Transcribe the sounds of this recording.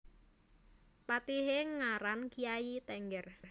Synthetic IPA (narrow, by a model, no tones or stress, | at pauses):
pat̪iɦeŋaɾankijajit̪ɛŋɡɛr